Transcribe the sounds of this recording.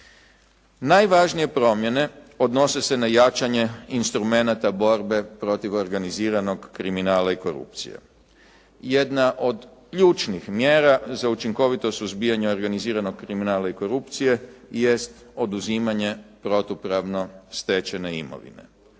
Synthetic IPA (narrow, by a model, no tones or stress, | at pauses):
najʋaʒnije̞pɾo̞mje̞ne̞ | o̞d̪no̞se̞se̞najat͡ʃaɲe̞inst̪ɾume̞nat̪abo̞ɾbe̞pɾo̞t̪iʋo̞ɾɡaniziːɾano̞ɡːɾiminaːlaiko̞ɾṵpt̪sḭjḛ | jed̪naʔo̞d̪kʎut͡ʃnixmjeːɾazaut͡ʃiŋko̞ʋit̪o̞suzbijaɲeo̞ɾɡaniziːɾano̞ɡ̚kɾiminaːlaiko̞ɾupt̪sije̞je̞st̪ | o̞d̪uziːmaɲe̞pɾo̞t̪upɾaʋno̞st̪et͡ʃe̞ne̞ḭmo̞̰ʋḭne̞̰